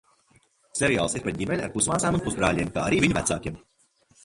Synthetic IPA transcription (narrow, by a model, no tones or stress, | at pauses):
seɾija̰ːlˠsiɾpat̪̚ɟʲimʲenʲa̰ɾpusmaːsaːmunpusbɾa̰ːʎʲiɛmka̰ːa̰ɾiːviɲvæ̰t̪sa̰ːkʲiɛm